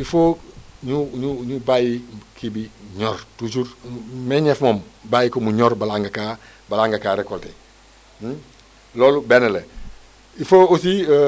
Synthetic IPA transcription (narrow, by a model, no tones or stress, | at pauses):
ifoːɲuɲuɲubajikibiɲoːɾtud͡ʒuɾmeɲefmombaːjikomuɲoɾbalaŋɡaka | balaŋɡakaːɾekolte | loːlubenele | ifoːosi